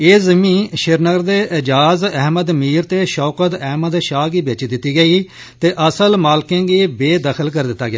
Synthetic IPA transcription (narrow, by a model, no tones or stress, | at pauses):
eːzɪmĩːʃɪɾnəɡəɾd̪eːʔɪd͡ʒaːzɛɦməd̪miːɾt̪eːʃɔːkət̪ɛɦməd̪ʃaːɡiːbeːt͡ʃid̪ɪt̪ːiːɡəiː | t̪eːʔəsəlmaːlkẽːɡiːbeːd̪əkʰəlkəɾd̪ɪt̪ːaːɡɪja̰ː